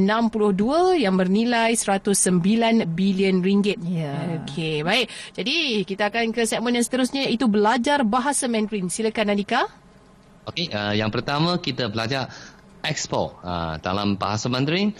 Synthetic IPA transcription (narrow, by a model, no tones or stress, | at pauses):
nãmpulʊhduəjaŋbərnilajsəɾat̪ʊsːəmbilanbiliənriŋɡɪt̪̚aokʰebaɪʔ̚d͡ʒadikit̪aːkankəsɛʔ̚mə̃njaŋsə̥t̪əɾʊsɲait̪ubəlad͡ʒarbaɦasamɛ̃nd̪ɾinsiləkanadika | okeəjaŋpərt̪amə̃kit̪əbəlad͡ʒar | ɛkspɔ̰ə̰da̰la̰mba̰ɦasamɛ̃nd̪ɾin